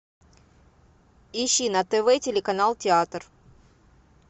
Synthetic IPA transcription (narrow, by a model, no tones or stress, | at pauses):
ɪɕːinɐt̪ɛvɛtʲɪlʲɪkɐnalˠtʲɪat̪r